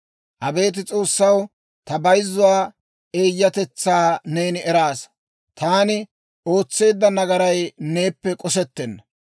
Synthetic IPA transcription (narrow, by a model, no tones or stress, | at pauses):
ʔɐbe̞ːt̪̬ɪt͡sʼo̞ːsːɐw | t̪ɐbɐjzːʊwaː | ʔe̞ːjːɐt̪ɛt͡sːaːneːnɪɛɾaːs | t̪ʰaːnɪ | o̞ːt͡sːe̞ːd̪ːɐnɐɡɐɾɐjne̞ːpːɛkʼɔsɛt̪ːɛnːɐ